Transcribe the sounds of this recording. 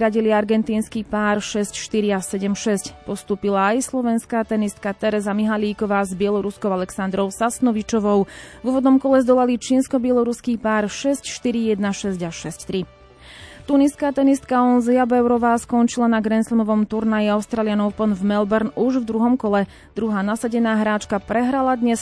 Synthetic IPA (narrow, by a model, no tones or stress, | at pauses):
ɾaɟiliaɾɡɛnt̪iːnskiːpaːɾʃɛscʃt̪iɾiasɛɟɛmʃɛscpɔst̪uːpilaːjslɔʋɛnskaːt̪ɛnist̪̚kat̪ɛɾɛzamiɦaliːkɔʋaːzbɪɛlɔɾuskɔʊalɛksand̪ɾɔʊsasnɔʋit͡ʃɔʋɔʊvuːʋɔd̪nɔmkɔlɛzd̪ɔlalit͡ʃiːnskɔbɪɛlɔɾuskiːpaːɾʃɛscʃt̪iɾijɛd̪naʃɛzɟaʃɛsct̪ɾi | t̪uniskaːt̪ɛnist̪kaɔnzɛabɛʊɾɔʋaːskɔnt͡ʃilanaɡɾɛnslmɔʋɔmt̪uɾnajiaʊst̪ɾaːlɪanɔʊpɔnvmɛlbɛɾnuʒvd̪ɾuɦɔmkɔlɛ | d̪ɾuɦaːnasaɟɛnaːɦɾaːt͡ʃkapɾɛɦɾalad̪ɲɛs